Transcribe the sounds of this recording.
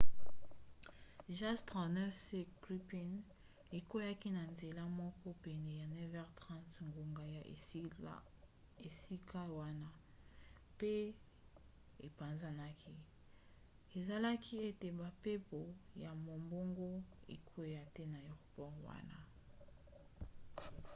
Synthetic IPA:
ʒa˦stʁa˨nɛ˦se˦kʁi˦pi˦n | e˨ko˦ja˦ki˦na˨nze˨la˦mɔ˦kɔ˦pɛ˨nɛ˨ja˨nɛ˦vɛ˦ʁtʁã˦ntŋɡo˨ŋɡa˨ja˨ | e˨si˦ka˦wa˦na˦ | pe˦ | e˨pa˨nza˦na˦ki˦ | e˨za˨la˦kʰi˦e˦te˨ba˨pe˦po˨ja˨mo˨mbo˦ŋɡo˦ḛ˨kʰo˦ja˦tɛ˦na˨ɛ˨ʁpɔ˦ʁwa̰˦na̰˦

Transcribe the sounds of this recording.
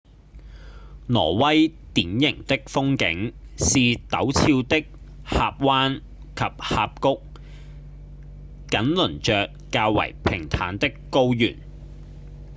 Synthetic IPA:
nɔ̰ː˨˩wɐ˥jt̪iː˨˥njɪ˨˩ŋt̪ɪ˥k̚fʊ˥ŋkɪ̰˨˥ŋsiː˨t̪ɐ˨˥wt͡sʰiː˧wt̪ɪ˥k̚ | haː˧p̚waː˥n | kʰɐ˨p̚haː˧p̚kʊ˥k̚ | kɐ˨˥nlɵ˨˩nt͡ʃœː˨kːaː˧wwɐ̰˨˩jpʰɪ˨˩ŋt̪ʰa̰ː˨˥nt̪ɪ˥kːo˥wjyː˨˩n

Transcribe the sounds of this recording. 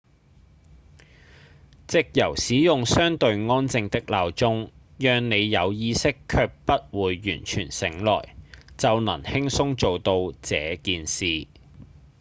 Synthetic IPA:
t͡sɪ˨k̚jɐ˨˩wsiː˨˥jʊ˨ŋsœː˥ŋt̪ɵ˧ɥŋɔː˥nt͡sɪ˧ŋt̪ɪ˥k̚laː˨˧wt͡sʊ˥ŋ | jœː˧ŋne˨˧jːɐ˨˧wjiː˥sɪ˥kʰːœː˧k̚pɐ˥t̚wuː˨jːy̰ː˨˩nt͡ʃʰyː˨˩nsɪ˨˥ŋlɔ̰ː˨˩jt͡sɐ˨wnɐ̰˨˩ŋhɪ˥ŋsʊ˥ŋt͡so˨wt̪o˧wt͡sɛ̰ː˨˧kiː˨nsiː˨

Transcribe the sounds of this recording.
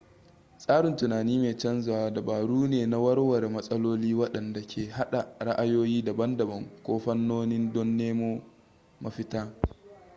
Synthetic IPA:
sʼaː˦ɽɪ˨ntʊ˨naː˨niː˦meː˨t͡ʃɐ˦nzʊ˨waː˨da˨baː˨ɽuː˦neː˨na˦wɐ˦ɽwɐ˨ɾmɐ˦sʼɐ˦loː˦liː˦wɐ˦ɗɐ˨nda˨kʲʰeː˨ɦa˦ɗa˨ɽa˦ʔa˦joː˦jiː˦da˨bɐ˦ndɐ˨bɐ˨ŋkʷoː˦ɸɐ˦nːoː˦nɪ˦ndɔ˦nːeː˦moː˦ | ma˨ɸɪ˦taː˦

